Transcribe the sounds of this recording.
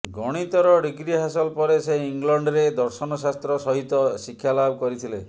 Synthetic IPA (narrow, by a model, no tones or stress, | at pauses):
ɡɔɽ̃it̪ɔɾɔɖiɡɾiɦasɔlpɔɾeseiŋlɔɳɖɾed̪ɔɾsɔnɔsast̪ɾɔsɔɦit̪ɔsikʰːjalabʱɔkɔɾit̪ʰile